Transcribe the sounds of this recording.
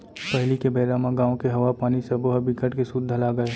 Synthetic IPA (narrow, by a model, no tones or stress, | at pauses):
pɐɦlikebɐːɾamãɡaːõkeɦɐʋapaːnisɐboɦəbikəʈkesud̪ʱəlaɡɐeː